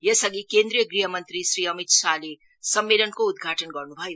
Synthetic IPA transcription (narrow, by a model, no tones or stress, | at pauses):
jʌsʌɡikend̪ɾijʌɡɾiɦʌmʌnt̪ɾisɾiʌmit̪sali | sʌmːelʌnkoud̪ɡʱaʈʌnɡʌrnubʱʌjo